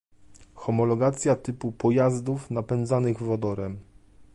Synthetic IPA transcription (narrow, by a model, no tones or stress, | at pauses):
xɔmɔlɔɡat̪sʲjat̪ɘpupɔjazd̪ufnapɛnd̪zanɘɣvɔd̪ɔɾɛm